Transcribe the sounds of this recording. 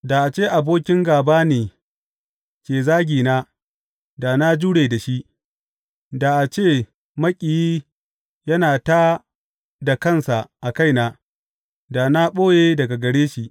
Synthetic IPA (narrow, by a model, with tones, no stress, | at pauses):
da˨ʔa˨t͡ʃeː˦˨ʔa˨boː˦kʲɪ˦ŋɡaː˨baː˦neː˨ | kʲeː˨zaː˦ɡʲiː˨naː˦ | da˨na˦d͡ʒuː˦ɽeː˨da˨ʃi˦ʔ | da˨ʔa˨t͡ʃeː˦˨ | mɐ˦kʲʼɪ˨jiː˦ | jɐ˦naː˨taː˦ | da˨kɐ˦˨nsa˨ʔa˨ka˦˨jnaː˦ | da˨na˦ɓoː˦jeː˦dɐ˨ɡa˨ɡɐ˨ɽeː˦ʃi˨ʔ